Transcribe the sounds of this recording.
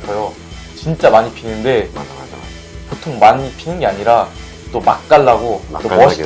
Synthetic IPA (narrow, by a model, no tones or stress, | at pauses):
kʌjo | t͡ɕint͡ɕ͈amaɲipʰinɯnde̞ | potʰoŋmaɲipʰinɯnɡe̞aɲiɾa | t͈oma̰k̚k͈aɭːaɡot͈omʌɕ